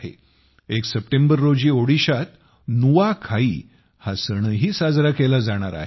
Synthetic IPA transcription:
ɦḛ | eksəp̚ʈembəɾːod͡ʑiːoɽiɕat̪ | nuʋakʰaiː | hasəɽ̃əɦiːsad͡zɾakelad͡zaɽ̃aɾa̰ɦe

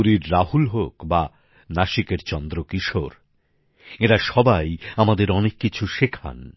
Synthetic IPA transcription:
uɾiɾːaɦulɦokba | naʃikeɾt͡ɕɔnd̪ɾokiʃoɾ | eɾaʃɔbajamad̪eɾɔnekːit͡ɕʰuʃekʰa̰n

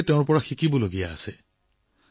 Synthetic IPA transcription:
tɛ̃ʊ̃ɹpɔɹaxikibɔloɡija̰ːsɛ

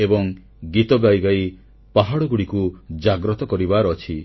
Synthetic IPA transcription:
ebɔŋ | ɡit̪ɔɡajɡaj | paɦaɽɔɡuɽikud͡ʒaɡɾɔt̪ɔkɔɾibaɾɔt͡ʃʰi

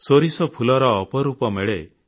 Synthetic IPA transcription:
soɾisɔpʰulɔɾɔːpɔɾupɔmeɭe

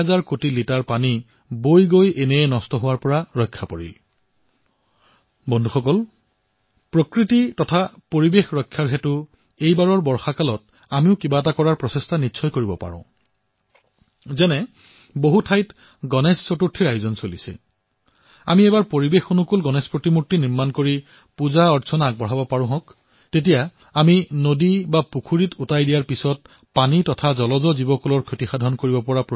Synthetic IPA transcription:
azaɹkotilitaɹpani | bojɡojenɛɛnɔstɔɦʊwaɹpɔɹaɹɔjkʰːapɔɹḭl | bɔndʱuxɔkɔl | pɹokɹititɔtʰapoɹibexɹɔjkʰːaɹɦɛtʊ | ejbaɹɔɹbɔɹxakalɔt̚ | amiʊkibat̬akɔɹaɹpɹɔsestanitːsʰɔjkoɹibɔpa̰ɹɔ̰̃ʊ̃ | zɛnɛ | boɦutʰajt | ɡɔnɛsːɔtuɹtʰːiɹajzɔnsolisɛ̰ | a̰miɛbaɹpoɹibexonukulɡɔnɛspɹotimutːiniɹmankoɹi | puzaɔɹsʰɔnaɡ̚bɔɹɦabɔpaɹʊ̃ɦɔ̃k | tet̬ija | aminodibapukʰuɹitutajdijaɹpisɔt̚ | panitɔtʰazɔlɔzɔzibɔkɔlɔɹkʰotixadʱɔnkoɹibɔpɔɹap

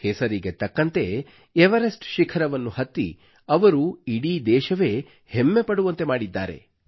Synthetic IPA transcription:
hesɐɾiɡe̞t̪ɐkːɐnt̪e̞ | eʋɐɾesʈʃikʰɐɾɐʋɐnːuhɐt̪ːḭ | ɐʋɐɾuiɽiːd̪ɛːʃɐʋe̞ː | hemːe̞pɐɽuʋɐnt̪e̞maːɽid̪ːaːɾe̞̰

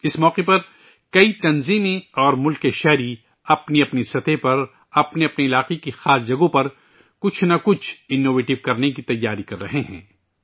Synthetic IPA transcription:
ɪsmɔːqepɐɾ | kɐit̪ɐnziːmẽɔːɾmʊlkeʃɛɦɾi | ɐpniɐpnisɐt̪epɐɾ | ɐpneɐpniɪlaːqekixaːsd͡ʒɐɡõpɐɾ | kʊt͡ʃʰnɐkʊt͡ʃʰɪnːoːʋeːʈɪʋkɐɾnekit̪ɐjːaːɾikɐɾːɐɦeɦɛ̃ː

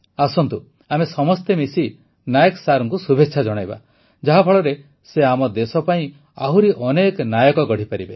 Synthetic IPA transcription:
asɔnt̪u | amesɔmɔst̪emisi | najɔksaɾɔŋkusubʱetːʃʰad͡ʒɔɽ̃ajba̰ | d͡ʒaɦabʱɔɭɔɾe | seamɔd̪esɔpaĩ | aɦuɾiʔɔnekɔnajɔkɔɡɔɽ̤ipaɾibe

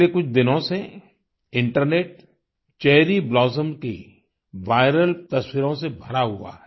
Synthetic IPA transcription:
ekʊt͡ʃʰd̪ɪnõse | ɪ̃ɳʈəɾneːʈ | t͡ʃɛːɦɾiblɔːzəmkḭ | ʋaːɪɾəlt̪ɐswɪɾõsebʱɐɾaɦua̰ɦɛ

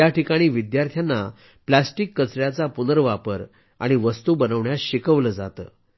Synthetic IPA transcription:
jaʈikaɽ̃iːʋid̪jaɾt̪ʰjanːa | plasʈikːət͡sɾjat͡sapunəɾʋapəɾ | a̰ɽ̃iʋəst̪uːbənəʋɳjaɕikəʋləːd͡za̰t̪ə̰ː

